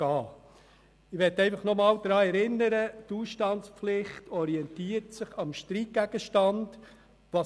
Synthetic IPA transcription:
ɑː | ɪʋɛtɛɪfɑχnɔmɑːld̥̪ɾɑːɛɾɪnːəɾətuːsʃtɑntspflɪχtʰɔɾiɛntiːətsɪχɑmʃtɾiɡæɡ̥əʃtɑnd̥ | ʋɑ

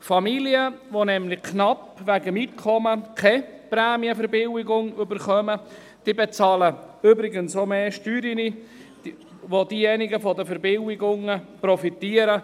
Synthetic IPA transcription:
fɑmiliəʋonɛmlɪkʰnɑpʋæɡəmitkʰɔməkʰɛpɾɛːmiəfəɾbɪwɪɡʊŋʏbəɾχœmə | d̪̥ibet͡sɑːlə | ʏbɾɪɡənsomeːʃtyːɾini̥ | ʋod̪iːjɛnɪɡəfɔd̪əfɛɾbɪwɪɡʊŋəprɔfit̪iːəɾə

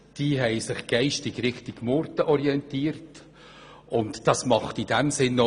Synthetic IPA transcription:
d̥iːɦɛɪsɪχɡ̥ɛɪʃtɪɡɾɪχtɪɡ̥moɾtəʔɔɾiɛntiːəɾt | ʊntd̥ɑsmɑχtid̥ɛmsɪnːo

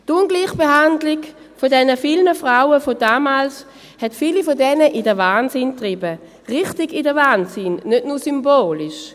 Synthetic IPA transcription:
tʊnɡliːχb̥eɦandlɪk | fodɛnəfilnəfʁaʊəfodaːmaːls | hɛtfiːlifodɛnəʔidəvaːnsɪntʁɪbə | ʁɪχtɪɡidəvaːnsɪnːødnuːɐsymboːlɪʃ

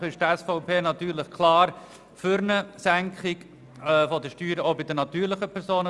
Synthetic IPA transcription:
χɪʃtɛsfɔʊpeːnɑt̪yːɾlɪχkʰlɑːɾ | fʏɾnəsæŋkχɪɡ | ɛːfɔd̪əʃtyːɾəobɪdənɑt̪yːɾlɪχəpʰɛɾsoːnə

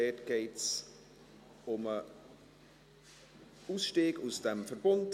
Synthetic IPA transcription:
ɛːtɡ̥eɪts | ʊmə | uːsʃteːɡusd̥ɛmfərbʊnt

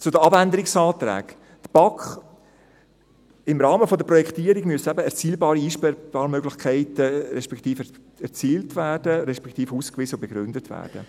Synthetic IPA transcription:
t͡sʊdəɑbændəɾɪksɑːt̪ɾæ̰ːɡ̥ | d̥əb̥ɑkχ | ɪmɾɑːməfɔd̪əpɾɔjɛkʰt̪iːəɾiɡmyəsɛbəɛɾt͡siːlbɑːɾiiːʃpɛb̥ɑːɾmøɡlɪχkʰɛɪtəɾɛʃpɛkʰt̪iːf | ɛɾt͡siːltʋæːd̥əɾɛʃpɛ̥kt̪iːfuːskʋizəʊbeɡ̥ɾʏndətʋæ̰ːɾd̥ə̰

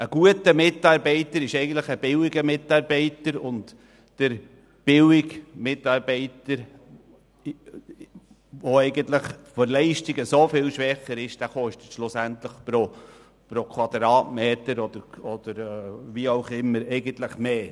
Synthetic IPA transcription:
əɡ̥uətəmɪtɑːɾbɛɪtəɾɪʃɛɪɡən̩tləχəb̥ɪwɪɡəmɪtɑɾbɛɪtəɾʊnt | d̥əɾ | b̥ɪwɪɡmɪtɑːɾbɛɪtəɾ | ʋoɛɪɡənt̪ləχfɔɾlɛɪʃtiɡəsofɪːlʃʋɛχəɾɪʃd̥æχɔʃtətʃlʊsæntləχpɾo | pɾokʰwɑd̪̥ɾɑːtmeːtəɾɔd̥̪əɾɔd̪̥əɾviɑʊχɪmːəɾɛɪɡənt̪ləχmeː

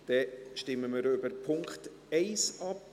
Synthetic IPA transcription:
d̥ɛʃtɪmːəmɪɾʏbəɾpʰʊŋkχt | ɛɪsɑp

